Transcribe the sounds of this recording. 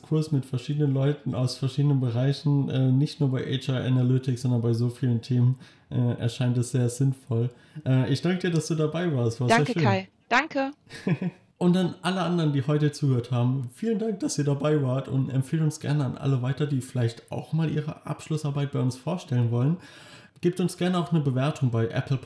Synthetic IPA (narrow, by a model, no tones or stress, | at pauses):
skʰʊɐsmɪtfɛɐʃiːdənənlɔʏtn̩a̰ʊsfɛɐʃiːdənənbəʁaɪçn̩ʔɛːnɪçtnuːɐbaɪʔɛ̰t͡ʃɐʔa̰nalʏtɪkz̥ɔndɐnbaɪzoːfiːləntʰeːmən | ʔɛːʔɛ̰ɐʃaɪntɛsz̥eːɐz̥ɪnfɔl | ʔɛːʔɪçd̥aŋkəd̥iːɐdasd̥uːdabaɪvaːɐstv̥aːɐzeːɐʃøːa | d̥aŋkʰə | ʔʊntanʔaləʔandəʁəndiːɦɔʏtət͡suːɡəhøːɐthaːbm̩fiːləndaŋk̚d̥asiːɐdabaɪvaːɐtʰʊ̰ntɛ̰mpfeːltʊnsɡ̥ɛ̰ɐnəanʔa̰ləvaɪtɐdiːfɪlaɪçta̰ʊxmaːlʔḭːʁə̰ʔa̰pʃlʊsʔaɐbaɪt̚b̥aɪʊnsfoːɐʃtɛlənvɔlən | ɡ̥iːp̚tʊnsɡ̥ɛɐnəaʊxnəbəvɛɐtʰʊŋbaɪʔɛ̰pl̩